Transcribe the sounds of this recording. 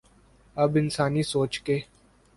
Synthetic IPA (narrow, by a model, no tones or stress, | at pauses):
ɐbɪnsaːnisoːt͡ʃkeː